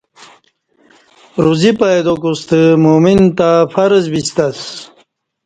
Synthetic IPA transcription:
ɾuzipaed̪okust̪əmomint̪afɐɾəzbist̪as

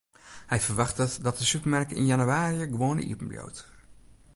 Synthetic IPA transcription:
hɛjfərʋaxtətdɔtdəsypərmɛrkəɪ̰njanyaːɾiəɡʋoːənə̰ḭəpəm̩bjo̰wt

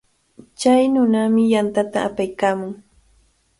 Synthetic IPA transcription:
t͡ʃajnʊnamɪjant̪at̪aapajkaːmʊŋ

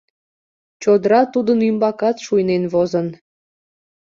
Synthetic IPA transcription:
t͡ɕod̪əɾɑt̪ud̪ənymbɑkɑt̪ʃujnenβozən

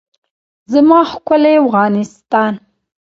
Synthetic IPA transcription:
zamɑxkʊleafɣɑnɪst̪ɑn

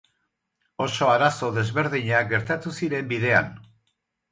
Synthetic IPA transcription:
o̞so̞aɾaso̞ðe̞zβe̞ɾðiɲaɡe̞ɾt̪at̪usiɾe̞mbiðe̞a̰n

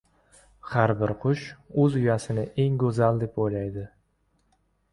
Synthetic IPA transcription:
haɾbɪɾqʰʊʃɵzʊjasɪnɪʔe̞ŋɡɵzald̪e̞pojlajd̪ɪ

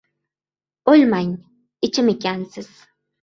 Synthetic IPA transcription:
olʲmaj | it͡ʃʰimicʲʰænsiz̥

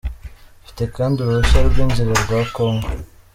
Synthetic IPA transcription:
fi̥t̪ekaːnduɾuuʃaɾbɡiːɲd͡ʒiɾeɾɡwakoːŋɡo

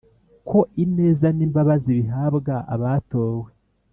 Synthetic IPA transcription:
kʰo̞ʔine̞ːzaniːmbaβaziβiɦaːbɡaʔa̰βato̞ːwe

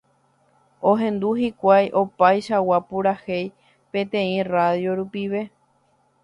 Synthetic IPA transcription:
õɦẽ̞nd̪uhikʷajʔo̞pajʃawapuɾahej | pẽ̞t̪ẽ̞ĩraðjo̞ɾupiʋe̞

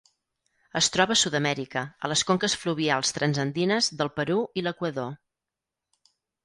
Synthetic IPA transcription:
əst̪ɾɔβəːsuðəmɛɾikəələskoŋkəsfluβialˠst̪ɾənzənd̪inəzðəlˠpəɾuiləkwəðo

